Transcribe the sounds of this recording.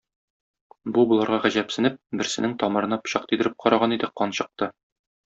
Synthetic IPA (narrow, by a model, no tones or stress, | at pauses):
bubulˠɑɾʁɑʁæʑæpsɘ̆nɘp̚bɘ̆ɾsɘ̆nɘŋt̪ɒmɤ̆ɾɤ̆nɑp̆ɕɑq̚t̪id̪ɘ̆ɾɘp̚qɒɾʔɑʁɑnid̪ɘqɒnɕɤ̆q̚t̪ɤ